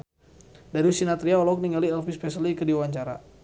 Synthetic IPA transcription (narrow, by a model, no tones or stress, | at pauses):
daɾiusinat̪ɾiaɔlɔk̚niŋɡaliɛlfispɛsəlikədiuwaɲt͡ʃaɾa̰